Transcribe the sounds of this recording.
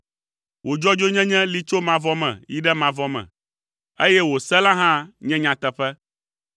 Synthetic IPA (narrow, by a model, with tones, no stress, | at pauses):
wo˨d͡ʒɔ˦d͡ʒo˦ɲɛ̃˦ɲɛ̃˦li˦t͡ʃo˦mã˨vɔ˦mɛ̰̃˨ji˦ɖɛ˦mã˨vɔ˦mɛ̰̃˨ | e˦jɛ˦wo˨sɛ˦lã˦ɦã˦ɲɛ̃˦ɲã˨t̪ɛ˨ɸɛ˦